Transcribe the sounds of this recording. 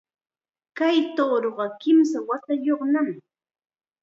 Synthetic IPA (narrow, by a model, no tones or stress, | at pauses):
kajt̪oːɾoɢɑkɪmsawat̪ajoχnam